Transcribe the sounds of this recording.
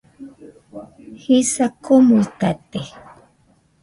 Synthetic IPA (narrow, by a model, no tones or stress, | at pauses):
hisakʰomuit̪at̪e